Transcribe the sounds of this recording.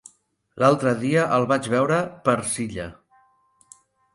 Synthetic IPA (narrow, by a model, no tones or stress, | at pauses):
lalˠt̪ɾəðiəʔəlˠβad͡ʒβɛwɾəpəɾsiʎə